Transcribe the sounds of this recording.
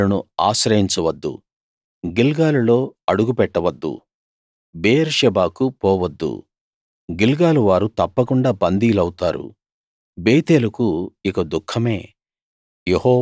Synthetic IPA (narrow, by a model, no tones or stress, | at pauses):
ɐnua̰ːʃɾɐjiɲt͡ʃɐʋɐd̪ːṵ | ɡilɡaːlulo̞ːɐɽuɡupɛʈːɐʋɐd̪ːṵ | beːɐɾʃɛbaːkupɔːʋɐd̪ːṵ | ɡilɡaːluʋaːɾut̪ɐpːɐkuɳɖaːbɐnd̪iːlɐwut̪aːɾṵ | beːt̪eːlukuikɐd̪ukʰːɐme̞ː | jehɔː